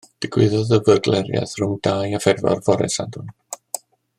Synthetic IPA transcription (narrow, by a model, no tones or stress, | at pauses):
d̥ɪɡ̥wɪðɔðəvərɡlɛɾja̰ðr̥ʊmdaːjafɛrvɔ̰rvɔɾɛ̰sa̰dʊn